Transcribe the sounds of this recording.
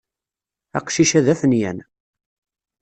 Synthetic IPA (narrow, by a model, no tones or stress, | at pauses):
æ̰qʃiʃæðæfənjæ̰n